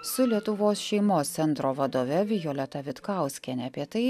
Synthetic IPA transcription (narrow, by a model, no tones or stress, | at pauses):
sʊlʲiɛt̪ʊʋoːsʃʲɛɪmoːsʲsʲɛnt̪ɾoːʋɐd̪oːʋʲɛʋʲɪjoːlʲɛt̪ɐʋʲɪt̪kɑˑʊsʲkʲɛnʲɛɐːpʲiɛt̪ɐɪ